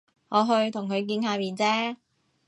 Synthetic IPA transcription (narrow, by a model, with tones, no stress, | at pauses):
ŋɔː˨˧ɦɵ˧ɥt̪ʰʊ˨˩ŋkʰɵ˨˧ɥk̬iː˧nhaː˨˧miː˨˧nt͡sɛː˥